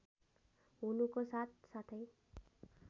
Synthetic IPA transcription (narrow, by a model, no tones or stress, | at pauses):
ɦunukosat̪̚sat̪ʰʌj